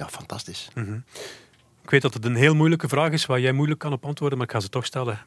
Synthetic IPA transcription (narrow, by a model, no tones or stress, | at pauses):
ja̰ːfɑntɑstɪsm̩ɦ̩ | ɪkʋeːt̚dɑtət̬ənɦeːlˠmujləkəvraːɣɪsʋaːrjɛjmujləkːɑnɔpɑntʋoːrdəmaːɾɪkxaːnzətɔxstɛlə